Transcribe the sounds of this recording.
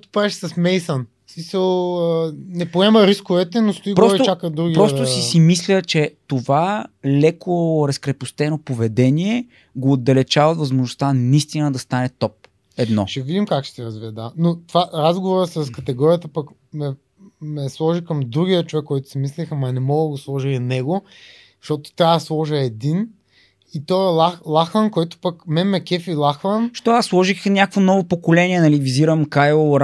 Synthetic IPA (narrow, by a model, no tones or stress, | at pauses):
kot̪ʊ̥pɾaɛʃsɐsmɛjsən | smisəlˠ | nɛpoɛmɐɾiskʊvɛt̪ɛnost̪oiɡpɾɔsɾit̪t͡ʃakəd̪ɾuɡʲipɾɔst̪osisimislʲət͡ʃɛt̪ovalɛkʰoɾɐskɾɛpʊst̪ɛnopovɛd̪ɛniɛ | ɡoːd̪ɐlɛt͡ʃavət̪vɐzmoʒnʊst̪anɐist̪inəd̪ɐst̪anɛt̪ɔp̚ | ɛd̪nɔʃɛvid̪imkakʃɛ̥sɛɾɐzviəd̪anot̪vaɾazɡovoɾəsɐskɐt̪ɛɡɔɾiət̪əpɐk | mɛ | mɛslˠɔʒikɐmd̪ɾuɡʲiət͡ʃovɛkːɔjt̪ʊ̥sɛmislixəmɐnɛmɔɡəd̪ɡoslˠɔʒilnɛɡo | ʃt̪ɔt̪o̥t̪ɾʲaɐd̪ɐslˠɔʒəɛd̪in | it̪ɔɛlˠaxlˠaxənkɔjt̪o̥pəkmɛmɛkɛfilˠaxvənʃt̪ɔasːlˠɔʒixnʲakkvonɔvopokolɛniɛnɐliviziɾəmkajoɾ